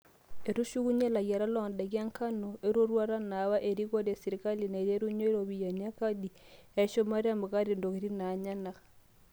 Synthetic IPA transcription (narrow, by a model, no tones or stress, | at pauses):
eɾuʃuɣuɲelaɣjaɾalɔːndaɣiaŋkanoʔeɾoɾwaɾanaβaʔeɾiɣoɾasiɾikalinaeɾjeɾuɲoeɾoβijaniakadieʃomaɾeamaɣaɾendoɣeɾinaɲana